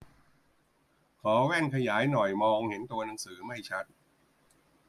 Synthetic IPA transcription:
kʰɔː˩˦wɛː˥˩ŋkʰa˧jaː˩˦jnɔ˨˩jmɔː˧ŋhe˩˦nt̪u˧ɐna˩˦ŋsɯː˩˦ma˥˩jt͡ɕʰa˦˥t̪̚

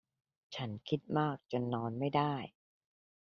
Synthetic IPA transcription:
t͡ɕʰa˦˥nkʰi˦˥t̪̚maː˥˩k̚t͡ɕo˧nːɔː˧nma˥˩jdaː˥˩j

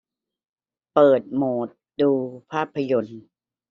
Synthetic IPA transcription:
pɤː˨˩t̪̚moː˨˩t̪̚duː˧pʰaː˥˩pʰːa˧jo˧n

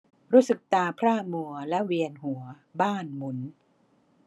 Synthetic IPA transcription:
ɾuː˦˥sɯ˨˩k̚t̪aː˧pʰɾaː˥˩mu˧ɐlɛ˦˥ʔwi˧ənɦu˩˦ɐ | baː˥˩nmu˩˦n

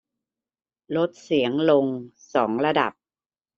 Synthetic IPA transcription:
lo˦˥t̪̚si˩˦əŋlo˧ŋsɔː˩˦ŋɾa˧da̰˨˩p̚

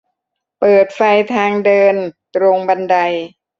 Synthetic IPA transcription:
pɤː˨˩t̪̚fa˧jt̪ʰaː˧ŋdɤː˧nt̪ɾo˧ŋba˧nda˧j

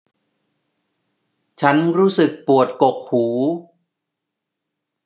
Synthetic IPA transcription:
t͡ɕʰa˦˥nɾuː˦˥sɯ˨˩k̚pu˨˩ət̪̚ko˨˩k̚huː˩˦

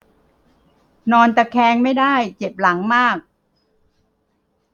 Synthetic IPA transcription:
nɔː˧nt̪ɛ˨˩kʰɛː˧ŋma˥˩jdaː˥˩jt͡ɕe˨˩p̚la˩˦ŋmaː˥˩k̚

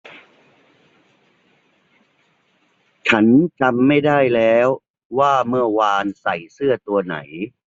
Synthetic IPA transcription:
t͡ɕʰa˦˥nt͡ɕa˧mːa˥˩jdaː˥˩jlɛː˦˥w | waː˥˩mɯ˥˩ɐwaː˧nsa˨˩jsɯ˥˩ɐt̪u˧ɐna̰˩˦j

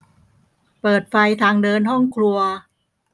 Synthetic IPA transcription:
pɤː˨˩t̪̚fa˧jt̪ʰaː˧ŋdɤː˧nɦɔ˥˩ŋkʰlu˧ɐ

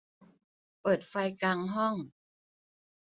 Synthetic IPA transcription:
pɤː˨˩t̪̚fa˧jkaː˧ŋɦɔ˥˩ŋ

